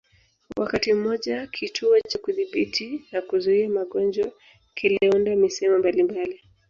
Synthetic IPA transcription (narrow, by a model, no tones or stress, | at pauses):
wa̰katim̩mɔʄakʰitʰuɔt͡ʃakuðiɓitʰinakuzuiamaɠɔnd͡ʒɔ | kiliundamisɛmɔmbalimbali